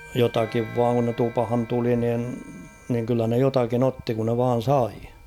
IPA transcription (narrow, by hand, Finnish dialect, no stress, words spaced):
jotɑkiʋ ʋɑːŋ kun ne tupɑ̆hɑn tuli nin niŋ kylːæ ne jotɑkin otːi kun ne ʋɑːn̞ sɑi